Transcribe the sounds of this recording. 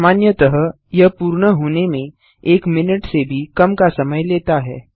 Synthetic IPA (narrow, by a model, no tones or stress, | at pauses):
maːnjət̪əɦəɦ | jɐɦpuːɾɳəɦoːnemẽ | eːkmɪnɪʈsebʱikɐmkasɐməjleːt̪aɦɛ̰ː